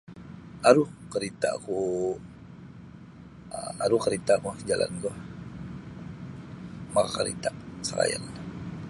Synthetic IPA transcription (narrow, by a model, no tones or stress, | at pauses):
aɾuhkəɾit̪aku | aɾukəɾit̪akud͡ʒala̰nɡɔh | makakəɾḭt̪asaɾa̰ja̰na